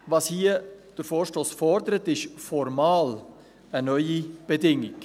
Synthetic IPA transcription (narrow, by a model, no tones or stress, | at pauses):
vɑshiəd̥əɾfoːʃtoːsfɔɾdəɾətɪʃfɔɾmɑːl | ənœʏib̥edɪŋɪk